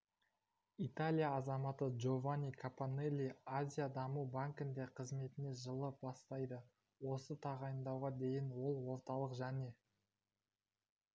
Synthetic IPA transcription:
it̪alʲijaːzɑmɑt̪əʒo̞vanʲijkʰapanelʲːiazʲijad̪ɑmubaŋkɪnd̪e̞qʰəzme̞t̪ɪne̞ʒəlˠəbɑst̪ɑjd̪ə | wo̞sət̪ʰɑʁɑjənd̪ɑwʁɑd̪e̞jɪnwo̞lˠwo̞ɾt̪ɑlˠəqʒæne̞

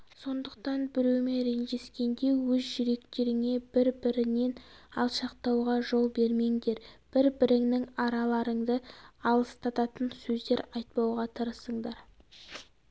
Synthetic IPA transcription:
so̞nd̪əq̚t̪ɑnbɪɾewme̞ɾe̞ŋʒe̞skʲe̞nd̪e̞wɵzʒʏɾe̞kt̪e̞ɾɪŋe̞bɪɾbɪɾɪne̞nɑlˠʃɑqt̪ɑwʁɑʒo̞lˠbe̞ɾme̞ŋd̪e̞ɾb̥ɪɾbɪɾɪŋnɪŋɑɾɑlˠɑɾəɴd̪əɑlˠəst̪ʰɑt̪ɑt̪ənsɵzd̪e̞ɾɑjt̪̚pɑwʁɑt̪ʰəɾəsəɴd̪ɑɾ

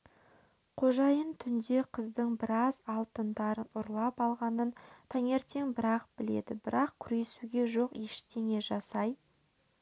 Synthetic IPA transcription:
qʰo̞ʒɑjənt̪ʰʏnd̪e̞qʰəzd̪əɴbɪɾɑzɑlˠt̪ənd̪ɑɾənʊɾlˠɑpɑlˠʁɑnənt̪ʰɑŋe̞ɾt̪e̞ŋbɪɾɑq̚bɪle̞̰d̪ɪbɪɾɑqkʲʰʏɾe̞suɡʲe̞ʒo̞qeʃt̪e̞ŋe̞ʒɑsɑj

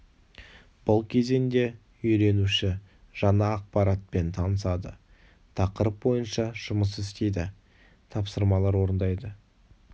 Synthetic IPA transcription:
b̥ʊlˠkʲʰe̞ze̞nd̪e̞ | ʏjɾe̞nuʃɪ | ʒ̥ɑɴɑːq̚pɑɾat̪̚pe̞nt̪ʰɑnəsɑd̪ə̰ | t̪ʰɑqəɾəp̚bo̞jənʃɑʒ̥ʊməsɪst̪e̞jd̪ɪ | t̪ʰɑpsəɾmɑlˠɑɾwo̞ɾənd̪ɑjd̪ə

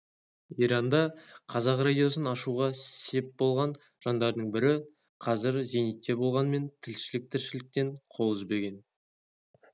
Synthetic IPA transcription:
iɾɑnd̪ɑqʰɑzɑqrad̪ijo̞sənɑʃuʁɑse̞p̚bo̞lˠʁɑn | ʒ̥ɑnd̪ɑɾd̪əɴbɪɾɪ | qʰɑzɪɾze̞nijt̪ːe̞bo̞lˠʁɑnme̞nt̪ʰɪlʃɪlɪk̚t̪ʰɪɾʃɪlɪk̚t̪e̞ɴqʰo̞lˠʏzbe̞ɡʲe̞n

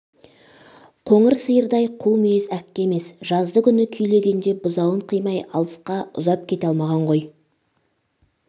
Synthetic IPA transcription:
qʰo̞ɴəɾsəjəɾd̪ɑjqʰuwˠmʏjezækʲːeeme̞sʒɑzd̪əkʲʰʏnɪkʲʰʏjle̞ɡʲe̞nd̪e̞bʊzɑwəɴqʰəjmɑjɑ̰lˠəsqɑʊ̰zɑp̚kʲʰe̞t̪ɑlˠmɑʁɑɴʁo̞j

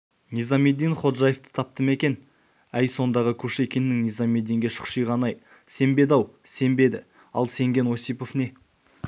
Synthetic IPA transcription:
nijzɑme̞d̪ːijnχo̞t̪ʒɑjeft̪ə̥t̪ʰɑp̚t̪əme̞kʲe̞n | æjso̞nd̪ɑʁəkʲʰɵʃe̞kʲe̞nɪːɪŋnijzɑmed̪ːiŋɡʲe̞ʃə̥qʃijʁɑnɑj | se̞mbe̞d̪ɑwse̞mbe̞d̪ɪ | ɑ̰lˠse̞ŋɡʲe̞nwo̞sijpo̞fne̞

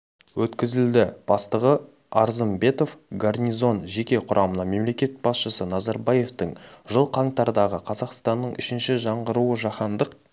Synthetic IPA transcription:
wɵt̪kʲɪzɪld̪ɪb̥ɑst̪əʁə | ɑɾzəmbe̞t̪o̞fɡarnʲijzo̞nʒe̞kʲe̞qʰʊɾʔɑmənɑme̞mle̞kʲe̞t̪̚bɑsʃəsənɑzɑɾbɑje̞ft̪əɴʒəlˠqʰɑɴt̪ɑɾd̪ɑʁəqʰɑzɑqst̪ɑnːəɴʏʃɪnʃɪʒɑɴʁəɾuəʒɑχɑnd̪əq̚

